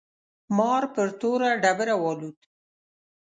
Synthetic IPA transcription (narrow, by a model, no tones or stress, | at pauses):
mɑɾpəɾt̪oɾaɖabəɾawɑlud̪